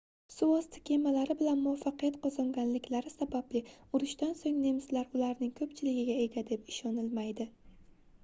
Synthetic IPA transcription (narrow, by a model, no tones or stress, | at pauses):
sʊɒst̪ʰɪ̥kʲʰe̞malaɾɪbɪlanmʊafːɑqʰɨjat̪qʰɒzɒŋɡʲanlɪkʲlaɾɪsabablɪʊɾɪʃt̪ansoŋne̞mslaɾʊlaɾnɪŋkʰɵpt͡ʃʰɪlɪɡʲɪɡʲae̞ɡʲad̪e̞pɪ̥ʃɒnɪlmajd̪ɪ